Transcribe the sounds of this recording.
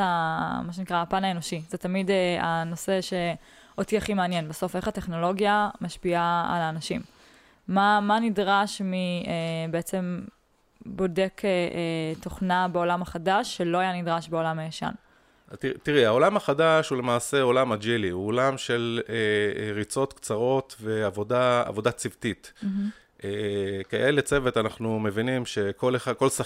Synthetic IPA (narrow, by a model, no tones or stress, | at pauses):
amaʃ̬enikʁaːpanae̞no̞ʃizetamideano̞se̞ʃe̞ | otiaχimeanje̞nbeso̞fe̞χate̞χno̞lo̞ɡjamaʃpia̰ːlaːnaʃimː | amanidʁaʃmiebeet͡se̞m | bo̞de̞kʰeʔto̞χnabeo̞lamaχadaʃːelo̞ajanidʁaʃbeolamajaʃa̰n | zt̪it̪iʁɛaolamaχadaʃule̞maːse̞o̞lamad͡ʒiliuolamʃe̞leʁit͡so̞t̪kt͡saʁo̞t̪ve̞avodaa̰vo̞dat͡sivt̪it̪ | ʔekeʔelet͡sevet̪anaχnume̞vinimʃe̞koleako̞lsa